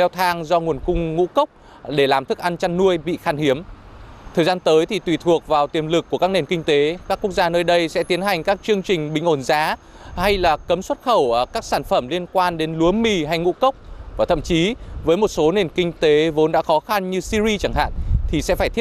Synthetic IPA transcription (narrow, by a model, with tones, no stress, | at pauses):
ɛ˧wt̪ʰaː˧ŋzɔ˧ŋu˨˩ənkʊ˧ŋ͡mŋṵ˧˥kə˦˥wk͡p̚ | ɗe˧˩laː˨˩mt̪ʰɨ˦˥k̚ʔa˧nt͡ɕa˧nːu˧əjɓḭ˧˨xaː˧nhi˨˦əmt̪ʰəː˨˩jzaː˧nt̪əː˨˦jt̪ʰi˨˩t̪wi˨˩t̪ʰu˨˩ək̚vaː˨˩wt̪i˨˩ənlɨ˨˩kːu˧˩əkaː˦˥k̚ne˨˩nkï˧ŋ̟t̪e˨˦kaː˦˥kːu˦˥ək̚zaː˧nəː˧jɗə˧jsɛ̰˧˥t̪i˨˦ənɦa˨˩jŋ̟kaː˦˥k̚t͡ɕɨ˧əŋt͡ɕï˨˩ŋ̟ɓï˨˩ŋ̟ʔo˧˩nzaː˨˦ | ha˧jlaː˨˩kə˨˦mswə˦˥t̚xə˧˩wkaː˦˥k̚saː˧˩nfə˧˩mli˧ənkwaː˧nɗe˨˦nlu˨˦əmmi˧ɦa˧jŋṵ˧˥kə˦˥wk͡p̚vaː˨˩t̪ʰə̰˧˨mt͡ɕi˨˦vəː˨˦jmo˨˩t̚so˨˦ne˨˩nkï˧ŋ̟t̪e˨˦vo˨˦nɗa̰ː˧˥xɔ˨˦xa˧nɲɨ˧si˧zi˧t͡ɕa˧˩ŋɦa̰ː˧˨nt̪ʰi˨˩sɛ̰˧˥faː˧˩t̪ʰi˦˥